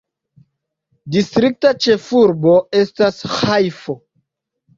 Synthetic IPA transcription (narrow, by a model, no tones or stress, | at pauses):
distɾik̚tat͡ʃe̞fuɾbo̞e̞stasxajfo